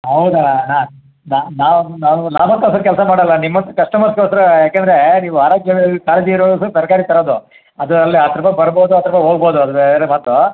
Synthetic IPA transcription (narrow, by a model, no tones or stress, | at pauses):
ɦɐwd̪ɐnaː | nanaːnaːʋulaːmɐk̪ːɐsɐɾkɛlsɐmaːɽɐlːɐnimːɐnt̪ːɐkɐʂʈɐmɐt̪kosɐɾɐjaːkend̪ɐɾeniːʋuɦaːɾaːɡjɐɭkaːlɐd͡ʒ̪iiɾoːsɐsɐɾkaːɾit̪ɐɾoːd̪u | ɐd̪uɐlːiat̪ɐɾɐpɐbɐɾboːd̪uɐːt̪ɐɾɐpːɐɦoːɡbo̞ːd̪uɐd̪ubeɾemaːt̪ːu